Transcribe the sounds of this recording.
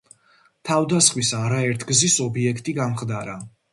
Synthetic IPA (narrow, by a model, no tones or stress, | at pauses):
t̪ʰavd̪asχmisaɾaɛɾt̪ʰɡzisɔbiɛkʰt̪ʼiɡamχd̪aɾa